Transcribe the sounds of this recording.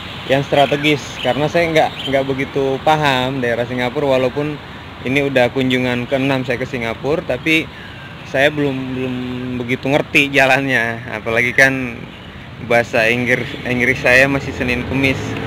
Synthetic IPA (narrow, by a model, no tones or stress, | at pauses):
jaŋst̪ɾat̪eɡɪskaɾənasajaŋɡaʔŋɡaʔbəɡit̪upaɦamdaeɾahsiŋɡapʊrwalaupʊn | ḭniudahkuɲd͡ʒuŋankəənamsajakəsiŋɡapʊrt̪api | sajabəlʊmbəlʊmbəɡit̪uŋərt̪id͡ʒalanɲaa̰palaɡikan | baɦasaiŋɡriŋɡɾɪsajamasɪhsənɪnkəmɪs